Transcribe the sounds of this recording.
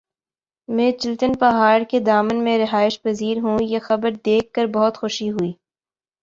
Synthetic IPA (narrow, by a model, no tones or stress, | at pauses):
mɛ̃ːt͡ʃɪlt̪ənpɐɦaːɾked̪aːmənmẽɾɪɦaːɪʃpɐziːɾɦũjexɐbəɾd̪eːkːəɾbɐɦʊt̪xʊʃiɦʊiː